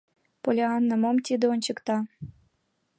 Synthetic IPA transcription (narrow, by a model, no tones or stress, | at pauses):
polʲeɑnːɤ̆momt̪ʲid̪ə̆onʲt͡ɕɤ̆kt̪ɑ